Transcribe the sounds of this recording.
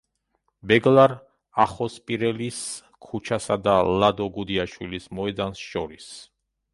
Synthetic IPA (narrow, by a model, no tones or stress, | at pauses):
bɛɡlˠaɾ | aχɔspʼiɾɛlis | kʰut͡ʃʰasad̪alad̪ɔɡud̪iaʃwilismɔɛd̪ansʃɔɾis